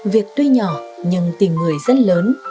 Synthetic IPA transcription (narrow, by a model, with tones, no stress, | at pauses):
vi˨˩ək̚t̪o˧jɲɔ˧˩ɲɨ˧ŋt̪i˨˩mŋɨ˨˩əjzə˦˥t̚ləː˨˦n